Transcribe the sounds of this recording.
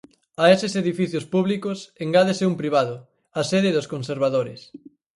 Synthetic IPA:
aesɪseðifiθjospuβ̞likoseŋɡaðesɪumpɾiβ̞aðʊ | ɐseðɪðoskonseɾβaðoɾɪs

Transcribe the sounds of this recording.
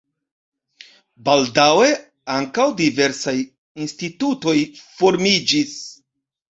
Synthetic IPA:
baldawe̞ | aŋkawdive̞ɾsaj | instituto̞jfo̞ɾmid͡ʒis

